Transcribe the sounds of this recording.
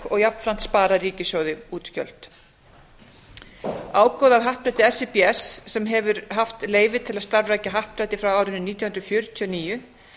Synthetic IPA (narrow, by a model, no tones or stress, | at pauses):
ɔɣjapnfɾan̥t̪spaːɾaɾiːcɪsjɔːwðɪuːt̪cœ̰l̥t̪ | aːwkɔwðavɦahpɾat̪ɪɛsɛpiɛsːɛmɦɛvʏɾɦaft̪leːjvɪt̪ʰɪlaðst̪aɾvraːjcaɦahpɾajt̪ɪfɾawaːwɾɪnʏniːt̪jahnɾʏfjʏɾʏt̪ʰiɔniːjʏ